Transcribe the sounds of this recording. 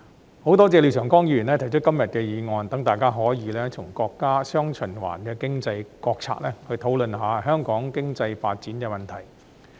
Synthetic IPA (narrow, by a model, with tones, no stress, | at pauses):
ho˨˥wt̪ɔː˥t͡sɛː˧liː˨wsʰœː˨˩ŋkɔː˥ŋjiː˧jy˨˩nlɛː˥t̪ʰɐ˨˩jt͡ʃʰɵ˥t̚kːɐ˥mjɐ˨t̚kɛː˧jiː˨˧ŋɔː˧nt̪ɐ˨˥ŋt̪aː˨jkaː˥ɦɔː˨˥jiː˨˧lɛː˥tʰʊ˨˩ŋkɔː˧kːaː˥sœː˥ŋt͡ʃʰɵ˨˩nwa̰ː˨˩nkɛː˧kɪ˥ŋt͡sɐ˧jkɔː˧k̚t͡sʰa̰ː˧k̚lɛː˥hɵ˧ɥt̪ʰo˨˥wlɵ˨nɦaː˨˧hœː˥ŋkɔː˨˥ŋkɪ˥ŋt͡sɐ˧jfaː˧t̚t͡siː˨˥nkɛː˧mɐ˨nt̪ʰɐ˨˩j